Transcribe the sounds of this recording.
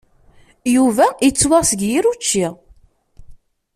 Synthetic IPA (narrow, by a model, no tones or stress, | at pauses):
juvæit͡sːwaʁsəɡjiɾut͡ʃːi